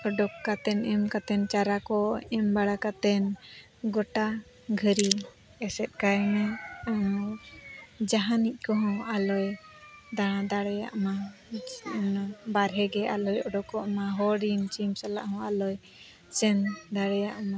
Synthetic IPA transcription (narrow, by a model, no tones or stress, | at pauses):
ɔɖɔkːat̪ɛnɛmkat̪ɛnt͡ʃaɾakɔɛmbaɽakat̪ɛn | ɡɔʈa | ɡʱəɾi | ɛsɛt̪̚ˀkajmɛ | d͡ʒaɦanic̚ˀkɔɦɔ̃alɔjd̪aɽ̃ãd̪aɽɛja̰ʔma | baɾɦɛɡɛalɔjɔɖɔkɔʔmãɦɔɖimt͡ʃimsala̰ʔhɔ̃alɔj | t͡ʃɛnd̪aɽɛjaʔma